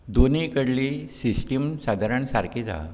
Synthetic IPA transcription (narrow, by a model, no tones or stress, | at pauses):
d̪onikəɽlisisʈimsad̪ʱaɾəɳsaɾkʰid͡za̰